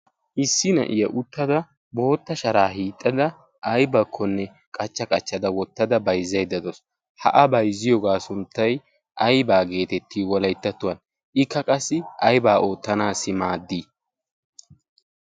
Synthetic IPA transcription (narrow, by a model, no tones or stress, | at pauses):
ʔɪsːɪnɐ̰ʔɪjɐʔʊt̪ːɐd̪ɐ | bo̞ːt̪ːɐʃɐɾaːɦiːt̪ʼːɐd̪ɐ | ʔɐjbɐkʰːɔnːɛ | kʼɐt͡ʃːɐkʼɐt͡ʃːɐd̪ɐwɔt̪ːɐd̪ɐbɐjzːɐjd̪ɐd̪ɔs | hɐ̰ʔɐbɐjzːɪjɔɡaːsʊnt̪ːɐj | ʔɐjbaːɡe̞ːt̪ɛt̪ʰːiːwɔlɐjt̪ːɐt̪ːʊwɐn | ʔɪkːɐkʼɐsːɪɐjbaːʔo̞ːt̪ːɐnaːsɪmaːd̪ːiː